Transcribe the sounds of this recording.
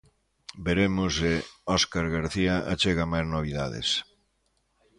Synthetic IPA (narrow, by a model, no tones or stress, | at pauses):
beɾemosɪɔskaɾɣaɾθiaʔat͡ʃeɣamajznoβ̞iðaðɪ̰s